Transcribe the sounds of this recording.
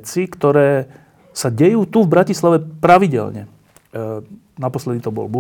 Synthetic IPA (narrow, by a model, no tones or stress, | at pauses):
t͡sikt̪ɔɾɛː | saɟɛjuːt̪uvbɾacislaʋɛpɾaʋiɟɛ̰lɲɛ̰ | napɔslɛd̪it̪ɔbɔ̰lbu